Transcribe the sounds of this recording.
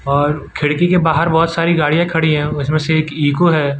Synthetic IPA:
ɔːɾkʰɪɽkikebaːɦəɾbɔːt̪saːɾiɡaːɽijãkʰɐɽiɦɛ̃ːʊsmẽseeːkiːkoɦɛː

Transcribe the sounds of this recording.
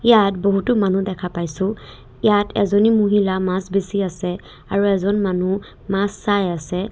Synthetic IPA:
ijatboɦutʊmanudɛkʰapajsʊ̃ | ijatʰɛzonimuɦilamãsbesiasɛ | aɹuɛzɔnmanu | masːajasɛ

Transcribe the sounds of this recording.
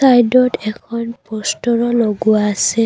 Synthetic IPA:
ajdɔtɛkʰɔnpɔstɔɹɔloɡʊaːsɛ

